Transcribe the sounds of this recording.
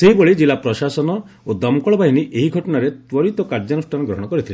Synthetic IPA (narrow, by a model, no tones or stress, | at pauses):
seɦibɔɭid͡ʒilapɾɔsasɔnɔ | od̪ɔmkɔɭɔbʱaɦiniʔeɦiɡʱɔʈɔnaɾet̪wɔɾit̪ɔkaɾd͡ʒanusʈʰanɔɡɾɔɦɔɽ̃ɔkɔɾit̪ʰile